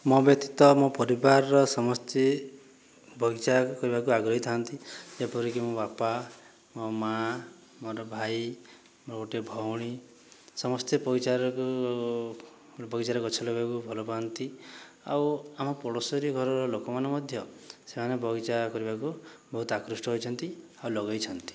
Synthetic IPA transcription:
mɔbjɔk̚t̪it̪ɔmɔpɔɾibaɾɾɔsɔmɔst̪ʰe | bʱɔɡit͡ʃakɔɾibakuaɡɾɔɦit̪ʰaant̪id͡ʒapɔɾikimõbapa | mɔma | mɔɾɔbʱaj | moɾɡoʈebʱɔwɽ̃i | sɔmɔst̪epɔɾit͡ʃaɾɔku | bʱɔɡit͡ʃaɾɔkɔt͡ʃʰɔlɔbakubʱɔlɔpaant̪i | a̰wamɔpɔɽɔsɔɾiɡʱɔɾɔɾɔlokɔmanɔmɔd̪ʱjɔsemanebʱɔɡit͡ʃakɔɾibakubɔɦut̪ɔakɾusʈɔɦojt͡ʃʰɔnt̪i | awlɔɡajt͡ʃʰɔnt̪i̥

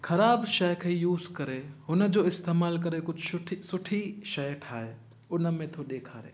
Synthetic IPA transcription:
xʰɐɾaːbʃɐjkʰeijuːzkɐɾeɦʊnəd͡ʑoːɪst̪eːmaːlk̬ɐɾekʊd͡ʑʱʊʈʰisʊʈʰiʃɐjʈʰaːɦe | ʊnə̆mẽt̪ʰoɗeːkʰaːɾḛː

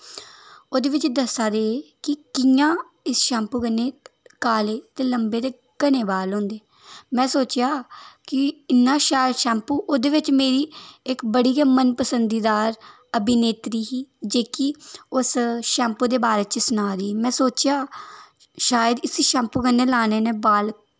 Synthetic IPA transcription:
oːd̪eːʋɪt͡ʃd̪əsaːd̪eːeːkɪkɪjãː | ɪsʃɛ̃ːmpuːɡənːeːkaːleːt̪eːləmbeːd̪eː | ɡəneːbaːlɦõːnd̪eː | mɛ̃ːsoːt͡ʃjaːkɪɪnːãːʃaːjəd̪ʃɛ̃ːmpuːʔoːd̪eːʋɪt͡ʃmeːɾiːɪkbəɽiːɡaːmənpəsənd̪iːd̪aːɾ | əbineːt̪ɾiːɦiːd͡ʒeːkiʊsʃɛ̃ːmpuːd̪eːbaːɾeːt͡ʃsʊnaːɾiːmɛ̃ːsoːt͡ʃjaː | ʃaːjəd̪ɪsiʃɛ̃ːmpuːɡənːeːlaːneːneːbaːl

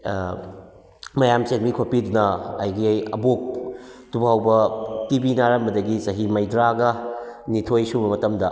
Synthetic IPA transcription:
mɐjamsenmikʰopidunɐːjɡiɐ̰bok̚tubawbɐtibinaɾɐmbɐdɐɡisɐɦimɐjdɾaɡɐnitʰojsubɐmɐtɐmdɐ

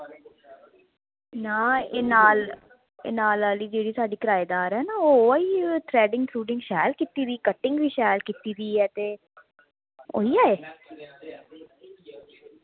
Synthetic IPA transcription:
naːeːnaːl | ḛːnaːlaːliːd͡ʒeːɽiːsaːɖiːkəɾaːjed̪aːɾɦɛːnaːoːiːt̪ʰɾɛːɖɪŋɡsʰɾuːɖɪ̃ŋɡʃaːlkiːt̪iːɾiːkəʈɪŋɡʋiːʃaːlkiːt̪iːɾiːɛːt̪eː | o̰ːiːaːeː

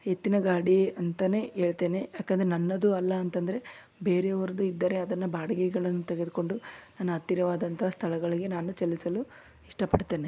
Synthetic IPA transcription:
het̪ːinɐɡaːɽiɐnt̪ɐne̞e̞ːɭt̪e̞ːnejaːkːend̪ɐɾenɐnːɐd̪uɐlːɐːnt̪ɐnd̪ɐɾe̞ | be̞ːɾeɐʋɐɾɐd̪uid̪ːɐɾe̞ɐd̪ɐnːɐbaːɽɐɡɛɡɐɭɐnːut̪eɡe̞d̪uko̞ɳɖunaːnuɐt̪ːiɾɐʋaːd̪ɐnt̪ʰɐɦɐst̪ʰɐlɐɡɐɭiɡe̞naːnut͡ʃelːisɐlu | iʂʈɐpɐɽt̪e̞ːne

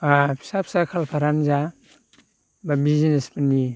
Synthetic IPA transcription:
ai̥sapsakʰalpʰaɾanza | babizinespani

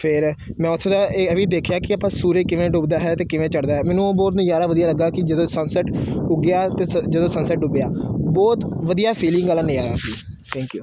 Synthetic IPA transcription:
pʰɪɾmɛ̃ːʊt̪ʰːd̪aːeːəʋiːd̪eːkʰjaːkɪəpãːsuːɾeːkɪʋẽːɖʊːbd̪aːɦɛːt̪eːkɪʋẽːt͡ʃəɽd̪aːɦɛːmɛ̃ːnũːoːbɔːt̪nũːjaːɾaːʋəd̪ijaːləɡːaːkɪd͡ʒəd̪õːsənsɛʈʊɡɪjaːt̪eːd͡ʒəd̪õːsənsɛːʈʊbɪjaːbɔːt̪ʋəd̪ijaːpʰiːlɪ̃ŋɡəlãːnẽːaːɾa̰ːsiː | t̪ʰɛ̃ːŋkjuː

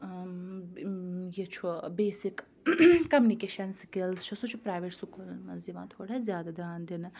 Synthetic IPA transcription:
jet͡ʃʰubeːsik | kɐmunikeːʃɐnskilzt͡ʃʰusut͡ʃʰupɾaːjʋeʈsukulnmɐziʋã̰ːt̪ʰoːɽazjaːd̪ad̪aːnd̪in

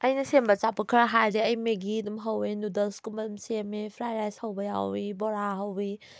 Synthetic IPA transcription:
ɐjnɐsembɐt͡ʃapːɐkʰɐɾɐɦajɾeɐjmeɡidumɦɐwenudɐlskumɐdumsemepʰɾajɾajshɐwbɐja̰wibɔɾaɦɐwi

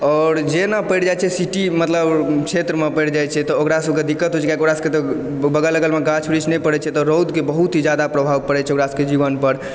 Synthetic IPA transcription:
ɔːɾd͡ʒenapəjɽd͡ʒajt͡ʃʰɛsiʈimət̪ləbkt͡ʃʰet̪ɾəmepəjɽd͡ʒajt͡ʃʰɛt̪ɔokɾasəbʱked̪ikːət̪ɦojt͡ʃʰɛkjakoɾasket̪ɔ | bəɡələɡəlmeɡãt͡ʃʰbɾit͡ʃnɛjpəɽɛt͡ʃʰɛt̪ɔɾod̪kebəɦut̪ɦid͡ʒjad̪apɾəbʱaʋpəɽɛt͡ʃʰɛokɾasəked͡ʒibənpəɾ

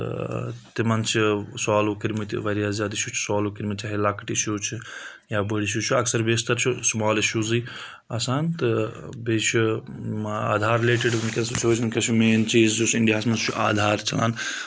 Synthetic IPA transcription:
t̪imɐnt͡ʃʰiswaːloːkiɾmit̪ʋɐɾijaːzjaːd̪iʃut͡ʃʰu̥swaːlokiɾmit̪t͡ʃʲaɦelakʈiiʃoːt͡ʃʰi | jaːbəɽiʃ̬jut͡ʃʰuɐksɐɾbeːst̪ɐɾt͡ʃʰusmaːliʃuːziː | ɐsaːnt̪ɨbeːt͡ʃʰu | a̰ːd̪ʱaːɾileːʈiɖunkʲɐsut͡ʃʰoːt͡ʃʰɐnkʲɐt͡ʃʰumeːnt͡ʃiːzd͡ʒusiɳɖijaːsmɐnst͡ʃʰuʔa̰ːd̪ʱaːɾt͡ʃɐla̰ːn

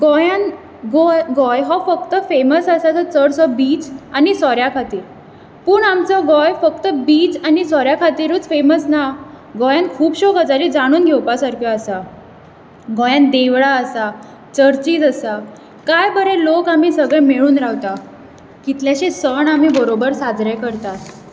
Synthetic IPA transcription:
ɡɔjan | ɡɔjɡɔjɦɔfəkt̪əfeməsasat͡sɔt͡səɽsɔbiːt͡sanisɔɾjakʰat̪iːɾ | puːɳamt͡sɔɡɔjfəkt̪əbiːt͡sanisɔɾjakʰat̪iːɾuːt͡sfeməsna | ɡɔjãnkʰuːbɕɔɡəd͡zaɾid͡zaɽ̃uːnɡʱɛwpasaɾkʰjɔasa | ɡɔjãnd̪eʋɭaəsa | t͡ɕəɾt͡ɕiːd͡zəsa | kajbəɾelokam̤iːsəɡɭɛ̃meɭuːnɾawt̪a | kit̪ljaɕesəɳam̤iːbəɾobəɾsad͡zɾajkəɾt̪at̪

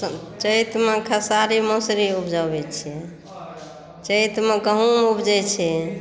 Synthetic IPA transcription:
t͡ʃəjt̪mekʰəsaɾimosɾiupʰd͡ʒabɛt͡ʃʰɛ | t͡ʃəjt̪meɡəɦũmubd͡ʒɛt͡ʃʰɛ

